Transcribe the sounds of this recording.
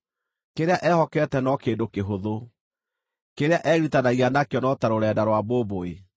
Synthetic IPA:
keɾeaʔɛhɔkɛtɛnɔkeːndokeɦoðo | keɾeaʔɛːɾutanaianakjɔnɔtaɾoɾɛːdaɾwaboːboe

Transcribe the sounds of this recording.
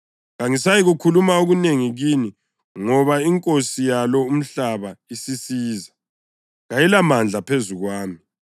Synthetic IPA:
ɣaŋisajiɣukʰulumaoɣuneŋiɣini | ŋɔβaiŋkʼosijalɔum̩ɬaβaisisiːza | ɣajilamand͡ɮʱapʰezuɣwaːmi

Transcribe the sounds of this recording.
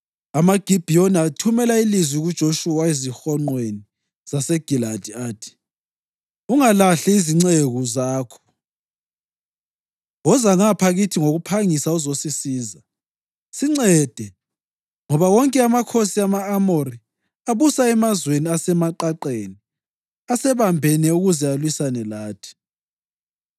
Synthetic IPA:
amaɡ̥ʱib̥ʱijonatʰumɛlailizwiɣud̥ʒ̥ʱoʃuwaizixɔŋ͡ǃweni | z̥asɛɡ̥ʱilad̥ʱiaːtʰi̥ | uŋalaɬiiziŋ͡ǀeɣuzaːkʰɔ̥ | wɔzaŋapʰaɣitʰiŋoɣupʰaŋisauzosisiːza | siŋ͡ǀɛd̥ʱɛ | ŋɔβawɔŋkʼɛamakʰosiamaːmori | aβusaɛmazweniasɛmaǃaǃeni | asɛβambʱɛnɛuɣuzɛalwisanɛlaːtʰi̥

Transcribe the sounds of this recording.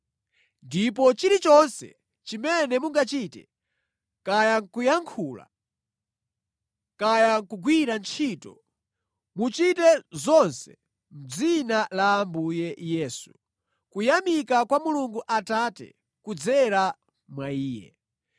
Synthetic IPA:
ndip̬ɔt͡ʃiɾit͡ʃɔnsɛ̰ | t͡ʃimɛnɛmuŋɡat͡ʃitɛ | kajaŋkujaŋkʰuːla̰ | kajaŋkuɡwiɾant͡ʃʰiːtɔ̰ | mut͡ʃitɛzɔnsɛ̰ | m̩d͡zinalaːmbujɛjɛːsu | kujamikakwamuluŋɡuʔatatɛ̰ | kud͡zɛɾa | mwaiːjɛ̰

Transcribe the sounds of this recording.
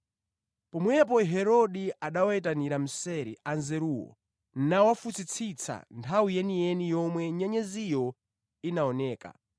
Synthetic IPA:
pɔmwɛp̬ɔɦɛɾɔɗiaɗawaɛtaniɾam̩sɛɾḭanzɛɾuːwɔ̰ | n̩nawafut͡sit͡sʰit͡sʰa̰ntʰawijɛnijɛnijɔmwɛɲɛɲɛzijɔ | inaɔnɛːka̰

